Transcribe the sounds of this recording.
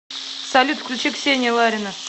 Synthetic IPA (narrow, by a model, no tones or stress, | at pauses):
sɐlʲut̪fkʲlʲut͡ʃeksʲenʲɪəlˠaɾʲɪnə